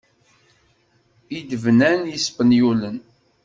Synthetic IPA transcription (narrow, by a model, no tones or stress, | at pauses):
id̪əvnænjispənjulən